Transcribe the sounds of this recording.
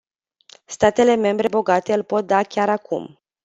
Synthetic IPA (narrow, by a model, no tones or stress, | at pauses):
st̪at̪e̞le̞me̞mbɾe̞bo̞ɡat̪e̞ɨlpo̞t̪̚d̪akʲaɾakʰṵm